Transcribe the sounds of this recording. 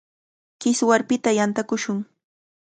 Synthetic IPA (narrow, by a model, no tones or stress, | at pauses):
kɪswaɾpɪt̪ajant̪akʊʃʊŋ